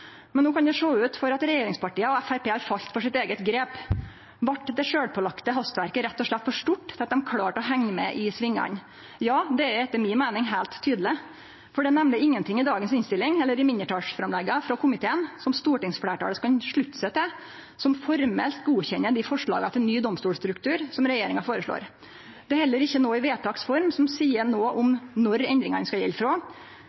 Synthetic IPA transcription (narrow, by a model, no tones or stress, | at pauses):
mɛnːoːkɑnd̪ɛʂoːʉːt̪fɔɾɑt̪ɾɛjeːɾɪŋspɑʈiːəɔæfæɾpeːhɑɾfɑʎt̪fɔʂɪt̪eːɡət̪ɡɾeːp | ʋɑʈd̪ɛʂøːɽpʰɔlɑkt̪əɦɑst̪ʋæɾkəɾɛt̪ːɔʂɭɛt̪ːfɔʂʈuʈːt̪ʰɪɑt̪̚d̪ɛmkʰɽɑːʈɔɦæŋːəmɛʔɪsʋɪŋːɑ̰n | jɑːd̪ɛæɾɛt̪ːəmɪnmæɪnɪŋɦæɪlt̪ʰːyːd̪l̩ɪ | fɔɖɛnɛmnəɪŋːənt̪ɪŋːɪd̪ɑːɡənsɪnst̪ɪlːɪŋɛlːəɾɪmɪnjəʈʰɑːʂfɾɑmlɛɡːɑfɾɔkʰʊmɪt̪ʰeːənsɔmst̪uːʈɪŋsfɽæːʈɑ̰ləskɑnʂɭʉt̪ːsɛt̪ːə | sɔmfɔɾmɛ̰lt̪ɡuːçɛnːəɖ̪ɪfɔʂɭɑ̰ːɡɑt̪ʰɪlnyːd̪ɔmst̪uːlst̪ɾʉkt̪ʰʉːɾsɔmɾɛjeːɾɪŋɑfoːɾəʂɭo̰ːɾ | d̪̥ɛhɛlːəɾɪçːənoːɪʋeːt̪ʰɑːksfɔɾmsɔmsiːəɳoːʔɔmnɔɾɛnd̪ɾɪŋɑnəskɑjɛ̰lːfɾoː